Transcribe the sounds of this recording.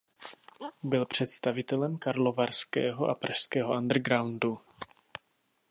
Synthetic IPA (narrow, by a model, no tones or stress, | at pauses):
bɪlpr̝̥ɛt̪st̪avɪt̪ɛlɛmkaɾlovarskɛ̰ːɦo̞ʔa̰pɾʔaʃskɛːɦoʔand̪r̩ɡɾawndu